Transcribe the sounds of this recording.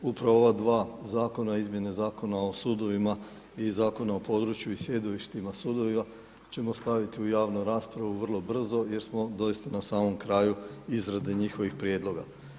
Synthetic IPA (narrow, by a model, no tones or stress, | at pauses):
upɾaʋoo̞ʋad̪ʋaːzaːko̞naizmje̞nezaːko̞nao̞suːd̪o̞ʋima | izaːko̞naopo̞ːd̪ɾut͡ɕjuisje̞d̪oʋiʃt̪imasuːd̪o̞ʋima | t͡ɕe̞mo̞st̪aʋit̪iujaːʋnuɾaːspɾaʋuʋr̩lˠo̞br̩zo̞je̞ɾsmo̞d̪o̞ist̪anasaːmo̞mkɾaːjuizɾad̪eɲixo̞ʋixpɾje̞ːd̪lˠo̞ɡa